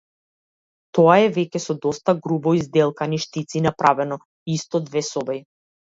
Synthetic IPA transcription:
t̪ɔaɛvɛcɛsɔd̪ɔst̪aɡɾubɔizd̪ɛlˠkaniʃt̪it̪sinapɾavɛnɔ | ist̪ɔd̪vɛsɔbɛj

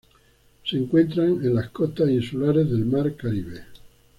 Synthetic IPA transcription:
seŋkwe̞nt̪ɾaŋenlaskot̪asinsulaɾezðelmaɾkaɾiβe

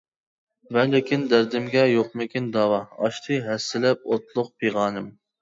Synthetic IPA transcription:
mɛnlɪkʲind̪æɾd̪ɪmɡʲɛjoq̚mɪkʲind̪ɑːwɑɑ̰ʃt̪ʰɨɦɛsːɪlɛp̚ot̪lˠʊq̚pʰeʁɑːnɨm

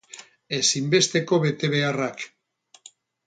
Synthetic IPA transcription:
e̞simbe̞st̪e̞ko̞βe̞t̪e̞β̞e̞arak

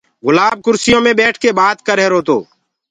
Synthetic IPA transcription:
ɣʊlaːb̚kʊɾsɪjõːmẽːɓɛːʈʰkeːɓaːt̪kəɾeːɾoːt̪oː

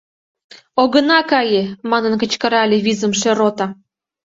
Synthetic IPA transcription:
oɣə̆nɑkɑjemɑnənkə̆t͡ɕkə̆ɾɑlʲeβizə̆mʃeɾot̪ɑ

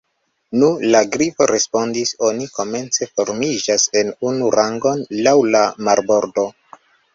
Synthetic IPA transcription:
nulaɡɾipo̞̰ɾe̞spo̞ndiso̞niko̞me̞nt͡se̞fo̞ɾmid͡ʒase̞nunuɾʔaŋɡo̞nlawlamaɾbo̞ɾdo

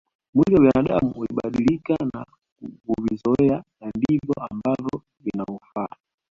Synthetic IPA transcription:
mwilɔwinaɗa̰muuliɓaɗilikana | kuvizɔɛanandivɔambavɔ | vinaufa

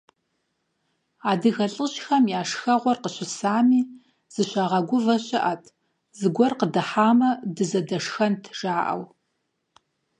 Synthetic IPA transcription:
aːdɨɣɐɬʼɨɕxɐmjaːʂxɐʁʷɔrqəɕɪsaːmiː | z̥ɨɕaʁɐɡʷʊvɐɕʼɪʔɐtʰ | zɨɡʷɔrqədɐħaːmɐdɨzɐdɐʂxɐntʰʒ̥aːʔɐ̰w

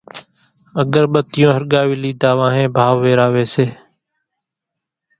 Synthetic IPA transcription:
əɠəɾɓət̪ɪjõːɦəɾɠaːʋɪliːd̪aːʋãːɦẽːbʱaːʋːeːɾaːʋeːseː

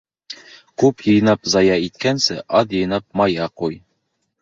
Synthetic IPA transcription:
kʉpjɤ̆jnɑpzɑjɑit̪̚kænsɘʔɑd̪jɤ̆jnɑp̚mɑjɑquj

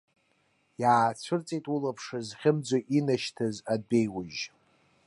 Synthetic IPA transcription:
jaːt͡sʷʰɨrt͡sʼejtʼulapʰʂɨzχʲɪmd͡zʷoʔinaʃtʰazaddejwʊʒ

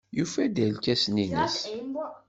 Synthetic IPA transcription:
jufæd̪ælkːæsninḭs

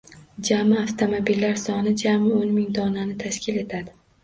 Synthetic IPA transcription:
d͡ʒamɪaft̪ʰomobilːaɾsɒnɪd͡ʒamɪonmɪŋd̪ɒnanɪt̪ʰaʃkʲɪle̞t̪ʰad̪ɪ

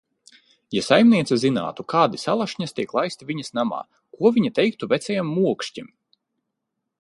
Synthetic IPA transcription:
jasajmnʲiɛt̪sazina̰ːt̪ukaːd̪isalˠaʃɲɐst̪ʲiɛklˠajst̪ivʲiɲɐsnama̰ː | kuɔviɲit̪ɛjk̚t̪uvɛt̪sʲɛjamːuɔkʃcim

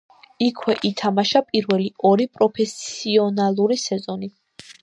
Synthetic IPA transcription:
ikʰwɛʔit̪ʰamaʃapʼiɾvɛliɔɾipʼɾɔpʰɛsiɔnalˠuɾisɛzɔni

